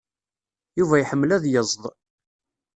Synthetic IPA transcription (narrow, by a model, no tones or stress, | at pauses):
juvæjħəmːlæðjəzˤðˤ